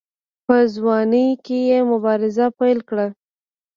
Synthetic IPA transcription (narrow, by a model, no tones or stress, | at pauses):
pəzwɑnəjkejemʊbɑɾɪzapajlkɽa